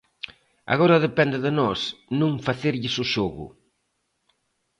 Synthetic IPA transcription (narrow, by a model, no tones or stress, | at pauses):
a̰ɣɔɾɐðepɛnd̪ɪðɪnɔsnũŋfaθeɾʎɪsʊʃɔɣʊ̰